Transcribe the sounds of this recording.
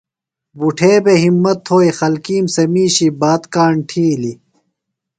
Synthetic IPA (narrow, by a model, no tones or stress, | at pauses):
buʈʰeːbeɦimːɐt̪ʰːoːixɐlkiːmsɐmiːɕibaːt̪kaːɳʈʰiːli